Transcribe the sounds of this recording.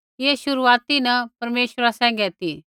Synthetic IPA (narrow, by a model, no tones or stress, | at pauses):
eʃʊɾuaːt̪inɐpɐɾmeːʃɾasɛ̃ːŋ̆ɡɛt̪i